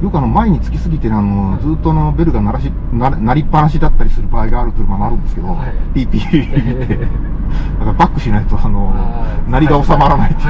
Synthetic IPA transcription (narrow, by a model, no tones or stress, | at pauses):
jokːɯano̞maeɲ̟it͡sɨ̥kʲisɨɡʲit̪eano̞d͡zɨːt̪ːoanobe̞ɾɯ̟ɡanaɾaɕi | naɾnaɾʲipːaɾaɕ̬id̪at̪ːaɾʲisɨɾɯ̟baːiɡaːɾɯt̪ojɯmamaaɾɯ̟̃nd̪e̞sɨ̥ke̞d̪o̞̰ | pʲiːpʲiːmʲit̪e̞ | d̪akaɾabakːɯ̟ɕinajat͡sɨaːno̞naɾʲiɡao̞samaɾanait̪ː